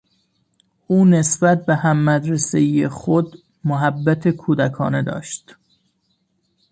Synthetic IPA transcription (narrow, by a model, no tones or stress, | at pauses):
ʔuːnesbæt̪̚be̞hæmːæd̪ɾeseijexod̪ | moɦæbːæt̪ʰekʰuːd̪ækʰɒ̰ːne̞d̪ɒ̰ːʃt̪